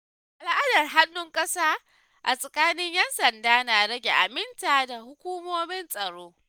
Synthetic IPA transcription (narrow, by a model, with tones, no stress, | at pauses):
ʔa˨lʔa˦dɐ˨rɦa˦nːʊ˦ŋkʼɐ˦saː˦ | ʔa˨sʼɐ˨kʼaː˦nɪ˦ɲjɛ˦nsɐ˨ndaː˦naː˨ɽɐ˦ɡʲe˨ʔa˨mɪ˦ntaː˨da˨hʊ˦kʷuː˦moː˦mɪ˦nsʼɐ˨ɽoː˦